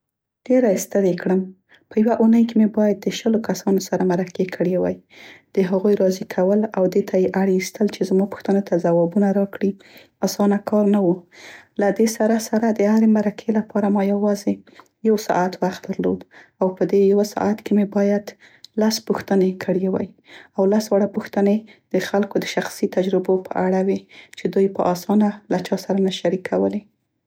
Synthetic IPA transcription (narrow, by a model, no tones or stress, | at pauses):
ɖ̥eɾast̪əɾekɽəm | pəjawaʔunəjkemebɑjad̪̚ːəʃəlokasɑnosaɾamaɾakekʰəɽewajd̪̥əɦaɣujɾɑzikʰawəlawd̪et̪ʰajeʔaɽist̪ʰəlt͡ʃezmɑpʊ̥xt̪ənot̪ʰazawɑbunaɾɑkɽi | ɑsɑnakʰɑɾnawulad̪esaɾasaɾad̪əhaɾemaɾakʰelapɑɾamɑjawɑze | jawsɑ̰ʔat̪waxt̪̚d̪aɾlo̰d̪awpəd̪ejawasɑ̰ʔat̪kemebɑjad̪ | laspuxt̪ənekʰəɽjewaj | awlaswaɽapuxt̪əned̪̥əxalkod̪əʃaxsit̪ad͡ʒɾɪbopə̰ʔaɽawet͡ʃed̪ujpəʔɑsɑnalat͡ʃɑsaɾanaʃaɾikʰawəle